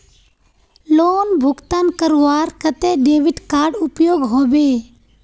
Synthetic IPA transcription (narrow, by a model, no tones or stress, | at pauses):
loːnbʱʊɡt̪aːnkəɾʋaːɾkət̪eɖeːʋɪʈkaːɾɖʊpjoːɡɦoːbeː